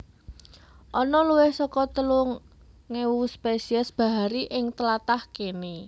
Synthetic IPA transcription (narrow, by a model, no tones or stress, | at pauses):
ʔɔnɔluwɪhsɔkɔt̪əluŋ | ŋewuspesiəsb̥a̤ɦaɾiʔɪŋt̪əlat̪ahkeni